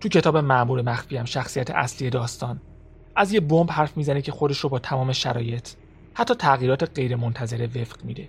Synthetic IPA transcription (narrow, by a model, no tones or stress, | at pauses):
t̪ʰucʰe̞t̪ʰɒːbe̞mæʔmuːɾemæxfiːæmʃæxsijæt̪ʰeʔæ̰sliːje̞d̪ɒːst̪ɒːn | ʔæzje̞bombhæɾfmiːzænecʰe̞xo̞d̪e̞ʃɾobɒːt̪ʰæmɒːme̞ʃæɾɒːje̞t̪ʰ | hæt̪ʰːɒːt̪ʰæɣiːɾɒːt̪ʰe̞ɢe̞jɾemont̪ʰæze̞ɾeve̞fɢ̥miːd̪e